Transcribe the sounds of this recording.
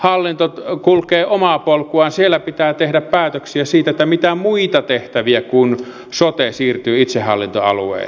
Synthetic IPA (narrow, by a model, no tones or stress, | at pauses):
hɑlːint̪ot̪kulkeːomɑpolkuɑnsielːæpit̪æːt̪ehdæppæːt̪øksiæsiːt̪æet̪ːæmit̪æmuit̪ɑt̪eht̪æʋiækun | sot̪esiːrt̪yːit̪sehːˑɑ̰lːint̪o̰ɑ̰lṵḛˑḭlː